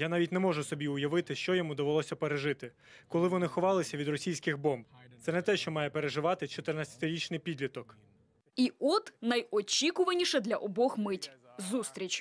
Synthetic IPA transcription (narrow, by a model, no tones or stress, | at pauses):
janɑʋʲitʲnɛmɔʒʊsɔbʲiʊjɐʋɪt̪ɪʃt͡ʃɔjɔmud̪ɐʋɪlˠɔsʲɐpeɾeʒɪt̪ɪ | kɔlˠɪʋɔnɪxɔʋɑlˠɪsʲɐʋʲid̪rɔsʲijsʲkɪɣbɔmbt̪sɛnɛt̪ɛʃt͡ʃɔmɑjɛpeɾeʒɪʋɑt̪ɪt͡ʃɔt̪ɪrnat͡sʲɐ̥t̪ɪɾʲit͡ʃnɪjpʲid̪ʲlʲit̪ɔk | iʔɔt̪nɐjɔt͡ʃʲikʊʋɐnʲiʃɛd̪lʲɐʔɔbɔxmɪtʲ | zust̪ɾʲit͡ʃʲ